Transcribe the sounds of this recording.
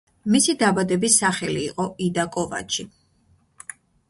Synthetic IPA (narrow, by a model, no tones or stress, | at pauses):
misid̪abad̪ɛbisːaχɛliːqʼɔid̪akʼɔva̰t͡ʃʰi